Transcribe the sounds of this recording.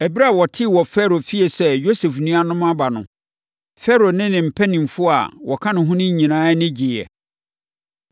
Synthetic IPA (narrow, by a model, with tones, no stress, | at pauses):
ɛ˨bɾa˦˨wɔ˨tʰɪ˦˨wɔ˨fɛ˦ɾo˨fi˦e˨sɛ˦jo˦sɛ˨fnũ˦a˦nʊ̃˦m˦ã˦ba˨nʊ̰̃˨ | fɛ˦ɾo˨nɪ̃˦nɪ̃˨m̩˨pʰɛ˦nĩ˨mfʊ˦a̰˨wʔɔ˨kʰã˦nʊ̃˨ɦʊ̃˦nɪ̃˦ɲĩ˨nãː˦nɪ̃˦d͡ʑɪ˨ɛ̰˨